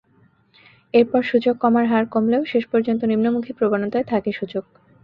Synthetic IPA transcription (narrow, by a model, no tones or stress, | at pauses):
eɾpɔɾʃud͡ʑoɡːɔmaɾɦaɾkomleoʃeʃpɔɾd͡ʑont̪onimnomukʰipɾobanot̪aet̪ʰakeʃud͡ʑoɡ̥